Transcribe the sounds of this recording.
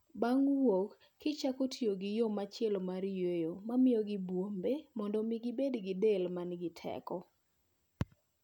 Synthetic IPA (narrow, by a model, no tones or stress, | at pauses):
baŋwokː | ɪt͡ʃakotʰioɡɪjomat͡ʃɪɛlmaɾjejomamɪjɔɡɪbwombemɔndɔmɪɡɪbedɡɪdelmanɡɪtʰɛ̰kɔ